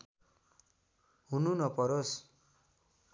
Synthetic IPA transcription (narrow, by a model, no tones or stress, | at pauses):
ɦununʌpʌɾos